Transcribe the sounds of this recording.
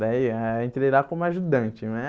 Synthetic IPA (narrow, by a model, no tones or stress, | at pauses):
aiɛẽt̪ɾeɾakõmʊaʒud̪ɐ̃nt͡ʃɪnɛ